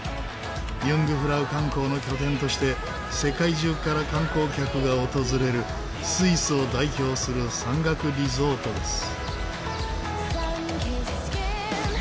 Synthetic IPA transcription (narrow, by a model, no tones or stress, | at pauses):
jɯ̃ŋɡɯ̟ɸɯ̟ɾaɯ̟kãŋko̞ːno̞kʲo̞t̪ẽ̞nt̪o̞ɕi̥t̪e̞ | se̞kaiʑɨːkaɾakãŋko̞ːkʲakɯ̟ɡao̞t̪o̞zɨɾe̞ɾɯ̟ | sɨisɨo̞d̪aiço̞ːsɨɾɯ̟sãŋɡakɯ̟ɾʲizo̞ːt̪o̞d̪e̞sɨ̥